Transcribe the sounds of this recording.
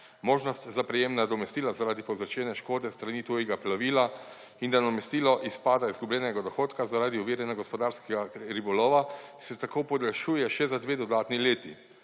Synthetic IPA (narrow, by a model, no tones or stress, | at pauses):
moːʒnɔst̪zapɾɛjeːmnad̪ɔmɛst̪iːlazaɾaːd̪ipɔzɾat͡ʃɛːnɛʃkoːd̪ɛst̪ɾaniːt̪ujɛɡaplaʋiːla | ind̪anɔmɛst̪iːlɔʔispaːd̪aizɡublʲɛːnɛɡad̪ɔxoːt̪kazaɾaːd̪iuʋiːɾɛnaɡɔspɔd̪aːɾskɛɡaɾibɔloːʋḁsɛt̪akoːpɔd̪ɛlʃuːjɛʃɛzad̪ʋeːd̪ɔd̪aːt̪nileːt̪i